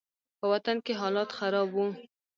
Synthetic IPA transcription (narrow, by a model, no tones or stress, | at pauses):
pəwat̪ankeɦɑlɑt̪xaɾɑbwu